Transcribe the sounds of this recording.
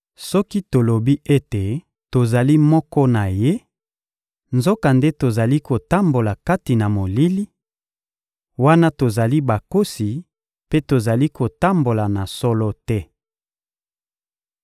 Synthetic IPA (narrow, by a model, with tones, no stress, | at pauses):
sɔ˦ki˦to˨lo˨bi˦e˦te˨ | to˨za˨li˦mɔ˦kɔ˦na˨je˦ | nzo˦ka˨nde˦to˨za˨li˦ko˨ta˦mbo˨la˨ka˦ti˨na˨mo˨li˦li˦ | wa˦na˦to˨za˨li˦ba˨ko˦si˨ | pe˦to˨za˨li˦ko˨ta˦mbo˨la˨na˨sɔ˦lɔ˦tɛ˦